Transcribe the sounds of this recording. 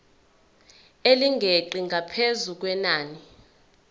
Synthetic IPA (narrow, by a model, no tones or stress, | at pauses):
eliŋɡʱeǃiŋɡʱapʰezuk̬wɛnaːni